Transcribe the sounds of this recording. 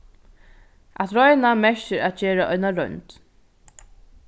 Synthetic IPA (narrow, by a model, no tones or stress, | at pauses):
at̪ɾɔjnamɛʃɪɾat̪̚d͡ʒeːɾaʔɔjnaɾœɥnt̪